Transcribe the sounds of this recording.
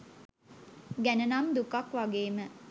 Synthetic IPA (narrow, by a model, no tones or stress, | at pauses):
ɡænənamd̪ukakʋaɡeːmə